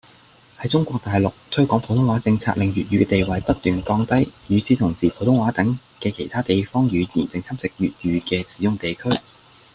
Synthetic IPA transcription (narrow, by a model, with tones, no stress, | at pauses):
hɐ˨˥jt͡sʊ˥ŋkʷwɔː˧k̚t̪aː˨jlʊ˨k̚t̪ʰɵ˥kʷwɔː˨˥pʰo˨˥wt̪ʰʊ˥ŋwaː˨˥t͡sɪ˧ŋt͡sʰa̰ː˧k̚lɪ˨ŋjyː˨t̚ɥyː˨˧kɛː˧t̪e˨jwɐ˨jpɐ˥t̚t̪ːyː˨nkɔː˧ŋt̪ɐ˥jjyː˨˧t͡sʰiː˨˥t̪ʰʊ˨˩ŋsiː˨˩pʰo˨˥wt̪ʊ˨˥ŋwaː˨˥t̪ɐ˨˥ŋ | kɛː˧kʰe˨˩jt̪ʰaː˥t̪e˨jfɔː˥ŋjyː˨˧jiː˨˩nt͡sɪ˨˧ŋt͡sʰɐ˥mt͡sɪ˨k̚jyː˨t̚jyː˨˧kɛː˧siː˨˥jʊ˨ŋt̪e˨jkʰɵ˥ɥ